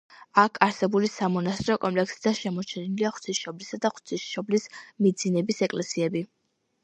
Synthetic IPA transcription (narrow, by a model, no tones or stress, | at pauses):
akʰaɾsɛbulisamɔnast̪ʼɾɔkʼɔmpʼlɛksid̪aʃɛmɔt͡ʃʰɛniliaχwt̪sʰisʃɔblisad̪aχwt̪sʰisʃɔblismid̪zinɛbisɛkʼlɛsiɛbi